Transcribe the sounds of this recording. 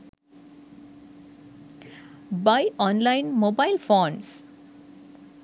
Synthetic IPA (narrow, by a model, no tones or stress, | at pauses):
bajɔːnlaɪnmoːbaɪlfoːns